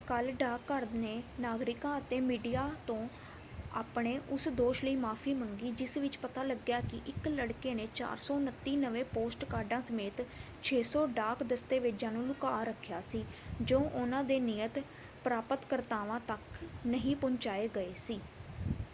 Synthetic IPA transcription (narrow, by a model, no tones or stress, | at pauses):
kəlɖaːkːəɾneːnaːɡɾɪkãːət̪eːmiːɖijaːt̪õː | a̰ːpɳeːʔʊsd̪oːʃləiːmaːpʰiːməŋɡiːd͡ʒɪsʋɪt͡ʃpət̪aːləɡjaːkɪʔɪkləɽkeːneːt͡ʃa̰ːɾsɔːnət̪ːiːnəʋẽːpoːsʈkaːɾɖãːsəmeːt̪ | t͡ʃʰeːsɔːɖaːkd̪əst̪eːʋed͡ʒãːnũːlʊkaːɾəkʰːjaːsiːd͡ʒəõːʔʊnãːd̪eːniːət̪ | pɾaːpət̪kəɾt̪aːʋãːt̪əknəɦĩːpʊɲt͡ʃaːeːɡəeːsiː